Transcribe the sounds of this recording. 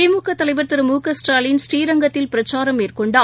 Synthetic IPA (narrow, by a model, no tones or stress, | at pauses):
ɐɪmuːkːɐt̪ːɐlɐɪʋɐɾt̪ɯɾɯmuːkɐsʈaːlɪnsʈiːɾɐŋɡɐt̪ːɪlpɪɾɐt͡ʃːaːɾɐmeːrkɔɳɖaː